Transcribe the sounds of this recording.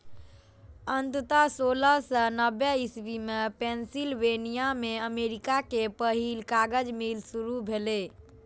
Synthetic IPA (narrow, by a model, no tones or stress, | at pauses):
ənt̪ət̪asoləsənəbɛisbimepensilʋenijameəmeɾikakepəɦilkaɡəd͡ʒmilsuɾubʱele